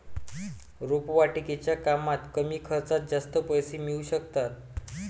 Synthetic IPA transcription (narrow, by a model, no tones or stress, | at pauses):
ɾopʋaʈiket͡ɕjakamat̪kəmiːkʰəɾt͡sat̪̚d͡zast̪əpəjsimiuɕəkt̪at̪̚